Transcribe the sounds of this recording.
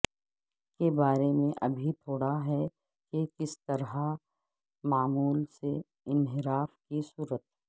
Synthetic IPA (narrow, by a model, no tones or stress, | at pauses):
kebaːɾemẽʔɐbʱit̪ʰoːɽaɦɛ | kekɪst̪ɐɾɦa | maːmuːlse | ɪnɦɪɾaːfkisuːɾət̪ɦɛː